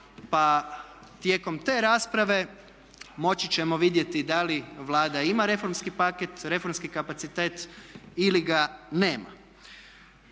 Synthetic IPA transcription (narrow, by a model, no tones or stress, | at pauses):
pa | t̪je̞ːko̞mt̪e̞ːɾaːspɾaʋe̞ | mo̞t͡ɕit͡ɕe̞mo̞ʋid̪je̞t̪id̪aliʋlˠaːd̪aimaɾe̞fo̞ɾmskipaket̪ɾe̞fo̞ɾmskikapat̪sit̪e̞ːt̪iliɡaneːma̰